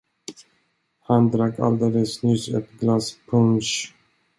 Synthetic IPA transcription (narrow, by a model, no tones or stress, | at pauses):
hand̪ɾakːa̰ld̪eːləsnʏsɛ̰t̪ɡlaspʰɵmʃ